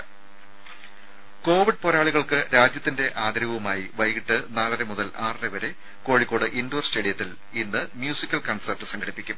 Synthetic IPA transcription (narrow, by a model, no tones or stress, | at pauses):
ko̞ːʋiɖ̚po̞ːɾaːɭiɣɐɭkɨɾaːd͡ʑjɐt̪ːinde̞ʔaːd̪ɾɐʋɐʋumaːjiʋɐjɣiʈːɨnaːlɐremuðɐlʔaːrɨreʋɐɾe̞ | ko̞ːɻikːo̞ːɽɨʔindoːrsʈeːɽijɐt̪ːil | inːɨmjuːsikʲːɐlkɐɳsɐrʈːɨsɐŋɡʰɐɽipːikʲːum